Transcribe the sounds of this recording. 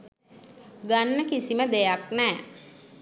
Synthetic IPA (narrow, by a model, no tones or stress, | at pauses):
ɡanːəkisiməd̪ejaknɛː